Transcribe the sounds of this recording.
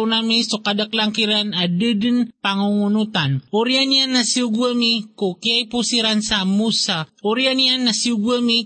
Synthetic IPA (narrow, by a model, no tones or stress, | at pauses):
wnamisokad̪aklaŋkiɾanadɨd̪ənpaŋuŋunut̪anuɾianijanːasiuɡuəmikokiajpusiɾansamusauɾianijanːasiuɡuəmi